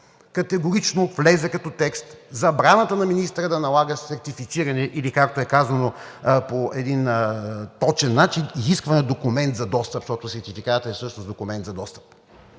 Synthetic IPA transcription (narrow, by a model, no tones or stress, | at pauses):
kɐt̪ɛɡʊɾit͡ʃnoflɛzɛkɐt̪ɔt̪ɛkst̪zɐbɾanət̪ənɐminist̪ɾəd̪ɐnɐlˠaɡəsɛɾt̪ifit̪siɾɐnɛʔilikak̚t̪oɛkazɐno | poʔɛd̪int̪ɔt͡ʃɛnːat͡ʃiniziskvɐnɛd̪okumɛnt̪zɐd̪ɔst̪əpʃt̪ɔt̪ʊsɛɾt̪ifikat̪əɛsɤʃnosd̪okʊmɛnt̪zɐd̪ɔst̪ə̥p̚